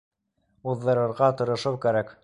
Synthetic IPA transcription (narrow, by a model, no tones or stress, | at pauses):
uðːɤ̆ɾɤ̆ɾʁɑt̪ŏɾɤ̆ʃɤwkæɾæk